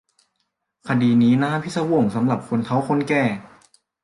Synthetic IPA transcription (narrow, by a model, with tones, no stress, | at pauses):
kʰa˧diː˧niː˦˥naː˥˨pʰi˦˥˩sa˧wo˧˩ŋsa˩˦mla˨˩p̚kʰo˧nt̪ʰa˦˥wkʰo˦˥nkɛː˧˩